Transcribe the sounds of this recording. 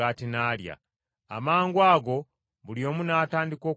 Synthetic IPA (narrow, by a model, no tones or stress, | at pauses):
aːtinaːlja̰ | a̰maːŋɡwaːɡo̞ | βuljo̞ːmunaːtaːndiko̞ː